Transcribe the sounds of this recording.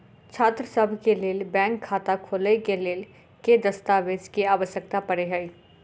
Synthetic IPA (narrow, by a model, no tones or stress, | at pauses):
t͡ʃʰaːt̪ɾəsəbʱkeleːlbɛ̃ːŋkʰːaːt̪akʰoːlekeleːl | ked̪ɐst̪aːʋed͡ʒkiaːʋəʃjək̚t̪apɐɽeɦəi